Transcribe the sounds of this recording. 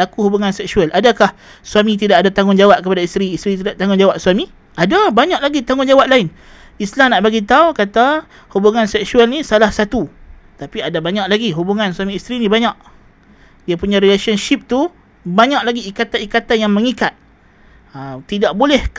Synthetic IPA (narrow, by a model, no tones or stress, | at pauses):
lakuhubuŋansɛksualʔadakah | suamit̪̬idaʔadat̪aŋʊnd͡ʒawaʔ̚kəpadaist̪ɾiːst̪ɾit̪idaʔt̪aŋʊnd͡ʒawaʔ̚swami | adabaɲaʔlaɡit̪aŋʊnd͡ʒawaʔ̚laɪn | islamnaʔbaɡit̪aukat̪a | hubuŋansɛksualnisalahsat̪u | t̪apiadabaɲaʔlaɡiɦubuŋansuamĩːst̪ɾinĩbaɲaʔ | diapuɲãɾilesənʃip̚t̪u | baɲaʔlaɡiːkat̪anikat̪anjaŋməŋikat̪̚ | at̪idaʔbolɛh